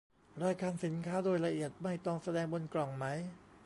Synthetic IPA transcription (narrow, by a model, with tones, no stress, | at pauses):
ɾaː˧jkʰaː˧nsi˩˦nkʰaː˦˥doː˧jla˧ʔi˨˩ət̪̚ma˥˩jt̪ɔ˥˩ŋsa˧dɛː˧ŋbo˧nklɔ˨˩ŋma˦˥j